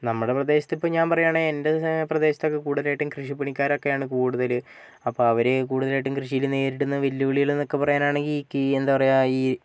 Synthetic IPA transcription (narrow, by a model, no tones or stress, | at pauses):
nɐmːuɽe̞prɐd̪e̞ːɕɐ̥t̪ːipːoːɲaːnpɐrɐjaːɳɨende̞prɐd̪e̞ːɕɐ̥t̪ːo̞kːekuːɽuðɐlaːjʈːɨmkrɨʂipːɐɳikʲːaːɾo̞kːejaːɳɨkuːɽuðɐl | ɐpːoːɐʋɐɾek̬uːɽuðɐlajʈːumkrɨʂijilne̞ːɾiɽunːɨʋilːuʋɐɭijilenːo̞kːe̞pɐrɐjaːnaːɳeŋɡilkːɨend̪apɐrɐjaiː